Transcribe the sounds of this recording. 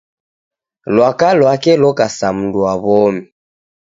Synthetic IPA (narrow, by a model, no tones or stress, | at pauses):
lwakalwakɛlɔkasam̩nduaβɔmi